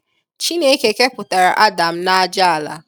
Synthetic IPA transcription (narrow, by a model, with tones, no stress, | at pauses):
t͡ʃi˦ne˦ke˨ke˦pʊ˨ta˨ɾa̰˨ʔa˦da˨m̩˦na˦a˦d͡ʒa˦a˨la̰˨